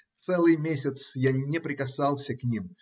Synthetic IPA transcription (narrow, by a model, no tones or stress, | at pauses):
t̪sɛlˠɨjmʲesʲɪt̪sjanʲɪpɾʲɪkɐsɑlˠsʲəknʲim